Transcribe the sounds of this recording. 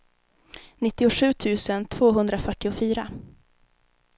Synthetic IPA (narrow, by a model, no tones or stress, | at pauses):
nɪt̪ːɪʊɧʉ̟ːt̪ʰʉ̟ːsənt̪ʰv̥oːɦɵnd̪ɾafœʈːɪʊfyːɾa̰